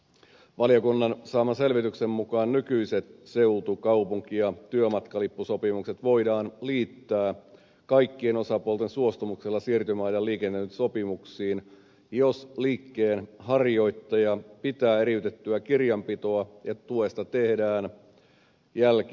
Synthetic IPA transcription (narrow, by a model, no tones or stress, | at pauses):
ʋɑlijokunːɑnsɑːmɑse̞lʋit̪yksemːukɑːnnykyiset̪se̞ut̪ukɑupuŋk̟ijɑt̪yømɑt̪kɑlipːuso̞pimukse̞t̪ʋo̞idɑːnliːt̪ːæː | kɑjkːie̞no̞sɑpuolt̪ensuo̞st̪umukselːɑsiːrt̪ymæːjɑliːkenːeynso̞pimuksiːn | josliːkːeːnhɑrjo̞jt̪ːɑjɑpit̪æːeɾiyt̪et̪ːyækirjɑmpit̪o̞ɑet̪ue̞st̪ɑt̪ehdæːn | jælki